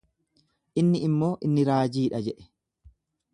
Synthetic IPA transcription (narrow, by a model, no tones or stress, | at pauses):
ʔɪnːɪɪmːo̞ːʔɪnːɪɾaːd͡ʒiːᶑɐd͡ʒɛʔɛ̥